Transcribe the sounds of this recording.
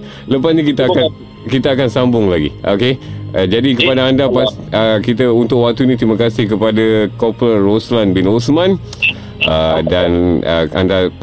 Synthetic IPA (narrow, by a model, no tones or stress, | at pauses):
ləpasnĩkit̪akan | kit̪aːkansambʊŋlaɡḭʔo̰ked͡ʒadikəpadaːndapas | əkit̪əunt̪ʊkwak̚t̪unit̪ɾimakasɪhkəpadakopləroslanbɪnosmãn | ədanə̰a̰nda